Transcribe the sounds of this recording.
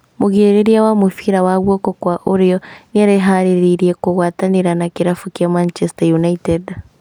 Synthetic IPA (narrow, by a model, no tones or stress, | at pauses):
moɣeːɾeɾiawamofiɾawaɣwɔkɔkwaʔoɾeɔniaɾeɦaɾeɾiɾiɛkoɣwaːtaneɾanakeɾafukjamant͡ʃɛstajunaitɛd